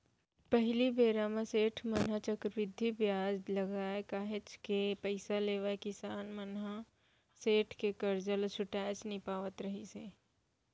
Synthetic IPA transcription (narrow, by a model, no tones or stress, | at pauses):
pəɦlibeːɾaːmãseːʈʰmənɦat͡ʃəkɾbɪd̪ʱːibjaːd͡ʒlɐɡaːekaːɦɪt͡ʃkepəɪsaleːʋakɪsaːnmənɦa | seːʈʰkekɐɾd͡ʒəlt͡ʃʰʊʈaːt͡ʃnipaːʋət̪ɾəɦiseː